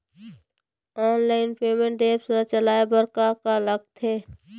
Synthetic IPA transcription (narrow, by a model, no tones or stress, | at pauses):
ɔːnlaːɪnpeːmẽɳʈɖeːpsɾat͡ʃəlaːebəɾkakaləɡ̚t̪ʰeː